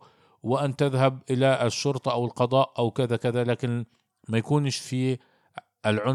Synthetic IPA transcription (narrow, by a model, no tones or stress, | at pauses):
wɪʔant̪ɪðɦab̚ʔɪlaɪʃːʊɾt̪ˤɑʔawɪlqɑd̪ˤɑːʔʔawkɪðakɪðalaːkɪn | majakuːnʃfi | ʔɪlʕʊn